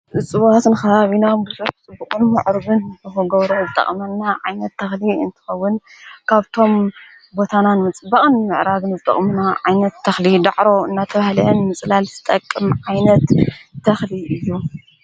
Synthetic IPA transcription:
ʔɨt͡sʼɨβat̪nɨxɐβaβinabɨsʼuɨt͡sʼɨbːukʼɨnmaʕɾɨβɨnɨxoɡɐβɾozɨt̪ʼɐ̰χʼmɐnːaʕajnɐt̪ʰːɐxliɨ̰nt̪ʰɨ̥xɐwːʊnkʰaβt̪ʰo̞m | bo̞t̪ʰananmɨt͡sʼɨbɐχʼɨnmɨʕɾaɡ̪ɨnzɨt̪ʼɐ̰χʼmɨnaʕajnɐt̪ʰːɐxlid̪aʕɾo̞ɨnːat̪ʰɐβahlɨnmɨt͡sʼlalzɨ̥t̪ʼɐkʼːɨmʕajnɐt̪t̪ʰːɐxliɨjːu

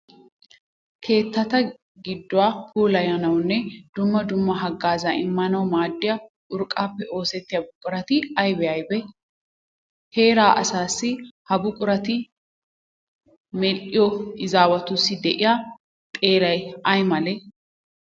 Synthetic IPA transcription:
kʰe̞ːt̪ːɐt̪ɐ | ɡɪd̪ːʊwaːkuːlɐjɐnɐwnːɛd̪̥ʊmːɐd̪ʊmːɐɦɐɡaːzaʔɪmːɐnɐwmaːd̪ːɪjɐ | ʊɾkʼːaːpːɛʔo̞ːsɛt̪ːɪjɐbʊkʼʊɾɐt̪ɪɐjbɛɐjbɛ | he̞ːɾaːʔɐ̰saːsːɪhɐbʊkʼʊɾɐt̪ɪ | mɛlːɪjɔɪzaːwɐt̪ʊsːɪd̪ɛʔɪja | t̪ʼe̞ːɾɐjɐjmɐlɛ

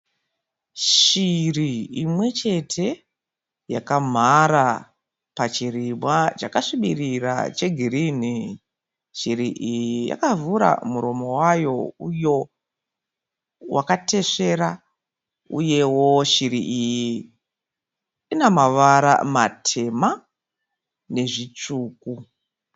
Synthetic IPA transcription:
ʃiriːmwe̞t͡ʃe̞tʰe̞ | jakam̤aɾa | pat͡ʃirimwat͡ʃakaʂiɓirira̰t͡ʃe̞ɡʱiɾin̤i | ʃiɾiʔijjija̰kavuɾa̰muɾo̞mo̞wajo̞ujo̞ | wʔakate̞ʂe̞ɾa | ṵje̞wo̞ʃiɾiʔiji | inamaʋaɾa̰matʰe̞ma | ne̞ʐit͡ʂuːku

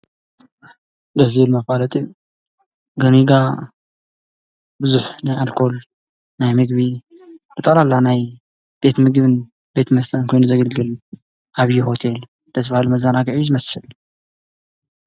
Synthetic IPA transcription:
dɐzβɨlmɐfbalɐt̪ʼi | ɡɐɾiɡa | bɨzuħnajalkʰo̞l | najmɨɡbi | b̥ɨt̪ʼɐlalːanaj | b̥e̞t̪ʰmɨɡbɨn | be̞t̪ʰmɐst̪ʰɐnkʰo̞jnuzɐɡɐlɡɨl | ʔaβɨjihot̪ʰe̞l | d̪ɐt̪ʰbahalumɐzanaɡʕizɨmɐsɨl

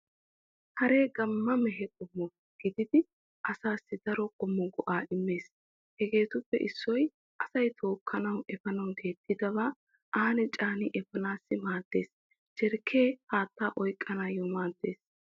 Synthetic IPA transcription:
hɐɾe̞ːɡɐmːɐmɛɦɛkʼɔmːɔ | ɡ̥ɪd̪ɪd̪ɪ | ʔɐsaːsːɪd̪ɐɾɔkʼɔmːɔɡɔʔaːʔɪmːe̞ːs | hɛɡe̞ːt̪ʊpːɛ̰ʔɪsːɔj | ʔɐsɐjt̪ʰo̞ːkʰːɐnɐwɛfɐnɐwɡ̪e̞ːt̪ːɪd̪ɐbaː | ʔaːnɛt͡ʃʼaːnɪʔɛfɐnaːsːɪmaːd̪̥ːe̞ːs | t͡ʃɛɾkʰːeːhaːt̪ːaːʔɔjkʼːɐnaːjɔmaːd̪ːe̞̰ːs

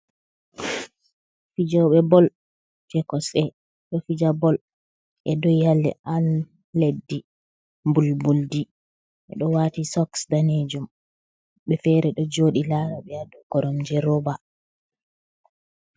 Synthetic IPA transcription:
fid͡ʒɔɓɛbɔl | d͡ʒɛkɔsɛ | ɗɔfid͡ʒabɔl | ʔɛdɔjalːɛ̰ʔalː | edːi | mbulbuldi | ʔɛ̰ɗɔwatisɔksdaned͡ʒum | ɓɛfɛɾɛɗɔd͡ʒoːɗilaːɾaɓɛadɔkɔɾɔmd͡ʒɛɾɔba

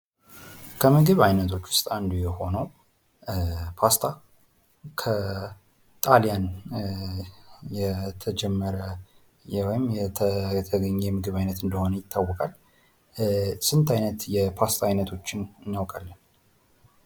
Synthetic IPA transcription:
kʰəmɨɡɨβajnət̪ʰo̞t͡ʃːwʊ̥st̪ʼand̪ujɛho̞nəw | pʰast̪ʰa | kʰə | t̪ʼalijan | jɛt̪ʰəd͡ʒɛmːəɾə | jɛwɔjɪmjɛt̪ʰət̪ʰəɡəɲːɛmɨɡɨβajnət̪ɨnd̪əho̞nəjɪt̪ʰːawːɔkʼal | sɨnt̪ʰajnət̪jɛpʰast̪ʰaːjnət̪ʰo̞t͡ʃːɪnɨnːjawkʼalːən

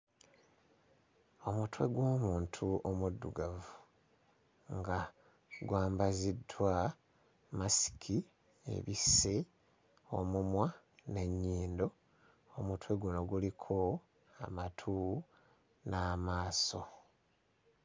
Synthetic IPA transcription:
o̞mutwe̞̰ɡwo̞ːmuːntʰuomudːuɡavu | ŋɡa | ɡwaːmbazidwa | masi̥kʰi | ḛβise | o̞mumwa | ne̞ɲːiːndo̞ | omutwe̞ɡuno̞ɡulikʰo̞ | a̰matʰuː | naːmaːso̞

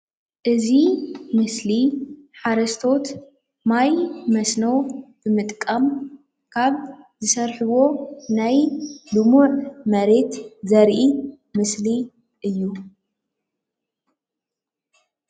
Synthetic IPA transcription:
ʔɨzimɨsliħaɾɐst̪ʰo̞t̪ | majmɐsnɐwb̥ɨmɨt̪ʼkʼːɐm | kʰaβ | zɨsɐɾħɨwo̞najlɨmuʕmɐɾe̞t̪zɐɾʔi | mɨsli | ʔɨjːu

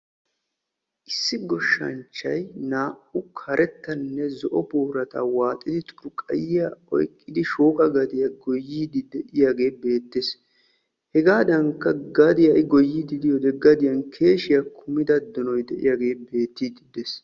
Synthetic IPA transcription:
ʔɪsːɪɡɔʃːɐ̰nt͡ʃːɐ̰jnaːʔʊkʰɐɾʔɛt̪ːɐnːɛzɔʔɔpuːɾɐt̪a̰ːwaːt̪ʼːɪd̪ɪt̪ʼʊ̥ɾʊkʼɐ̰jɪjaɔ̰jkʼːɪd̪ɪʃoːkʼɐɡɐd̪ɪjɐɡɔjːiːd̪ɪd̪ɛʔɪjaɡe̞ːbe̞ːt̪ːes | hɛɡaːd̪ɐŋkːɐɡɐd̪ɪjɐjɡɔjːid̪ɪd̪ɪjɔd̪ɛɡːɐd̪ɪjɐnkʰe̞ːʃɪjɐkʰʊmɪd̪ɐd̪ːɔnɔjd̪ɛʔɪ̰jaːɡe̞ːbe̞ːt̪ːiːd̪ɪd̪es

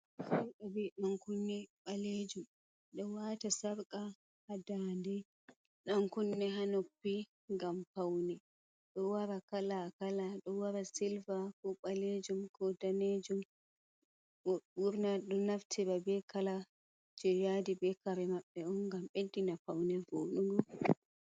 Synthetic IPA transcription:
kɛɓabɛmaŋkunːɛɓaled͡ʒum | ɗɔwatasaɾkʼa | hadandɛ | ɗaŋkunːɛɦanopːi | ŋɡampawnɛ | ɗɔwaɾakalakalaɗɔwaɾasilvakɔɓaled͡ʒumkɔdaned͡ʒum | ɔɓuɾnaɗɔnaftʰɛbabɛkala | d͡ʒɛjadibɛkaɾɛmaɓːɛɔnɡamɓedːinapawnɛvoːɗuɡɔ

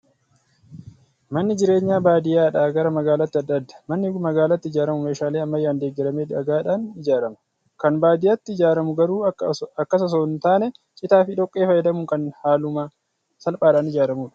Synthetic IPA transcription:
mɐnːɪd͡ʒɪɾe̞ːɲːaːbaːd̪ɪjaːᶑaːɡɐɾɐmɐɡaːlɐt̪ːɪɐd̪ːɐd̪ːɐ̥mɐnːɪmɐɡaːlɐt̪ːɪɪd͡ʒaːɾɐmʊmeːʃaːleːɐmːɐjːaːnd̪e̞ːɡːɛɾɐmeːd̪ɪɐɡaːᶑaːnɪd͡ʒaːɾɐmɐ̥ | kɐnbaːd̪ɪjɐt̪ːɪɪd͡ʒaːɾɐmʊɡɐɾuːɐkːɐs̬ɐs̬ɔnt̪aːnɛ | t͡ʃʼɪt̪aːfɪᶑɔkʼːe̞ːfɐjɛd̪ɐmʊŋkɐnhaːlʊmaː | sɐlpʼaːᶑaːnɪd͡ʒaːɾɐmuːᶑɐ̥

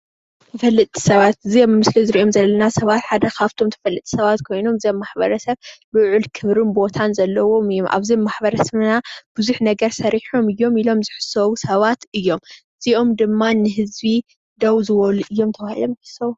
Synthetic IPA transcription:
t̪ʰɐfɐlːɨt̪ʼʰːi̥sɐβat̪ziommɨslizɨɾiʔo̞mzɐlːɐnasɐβat̪ħad̪ɐkʰaβt̪ʰomt̪ʰɐ̥fɐlːɨt̪ʼʰisɐβat̪kʰo̞jnomɨziomːaħbɐɾɐsɐβbɨʕulkʰɨβɾɨnbo̞t̪ʰanzɐlːɐwo̞mɨjːo̞mʔa̰βzimːaħbɐɾɐsɐβnab̥ɨzuħnɐɡɐɾsɐɾiħomɨjːo̞milo̞mzɨħɨ̥sɐwusɐβat̪ɨjːo̞m | z̥iʔo̞md̪ɨmːanɨɦɨzbi | d̪ɐwzɨβɐluʔɨjːo̞mt̪ʰɐβahilo̞mzɨħɨ̥sːɐwu

